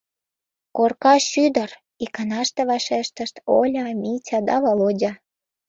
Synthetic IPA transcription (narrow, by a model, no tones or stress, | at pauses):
korkɑʃyd̪ə̆r | ikɑnɑʃt̪eβɑʃeʃt̪əʃt̪olʲɑmitʲɑd̪ɑβolodʲɑ